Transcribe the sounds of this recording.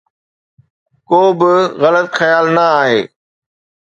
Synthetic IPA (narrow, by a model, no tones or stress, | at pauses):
koːbɪɣɐlət̪xɐjaːlnɐaːɦeː